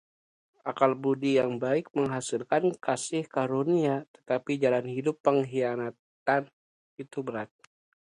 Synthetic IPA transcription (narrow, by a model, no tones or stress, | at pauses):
ʔakalbudijaŋbaɪk̚məŋɦasɪlkankasɪhkaɾoniat̪ə̥t̪apid͡ʒalanhidʊpːəŋɦianat̪ | an | it̪ubəɾat̪̚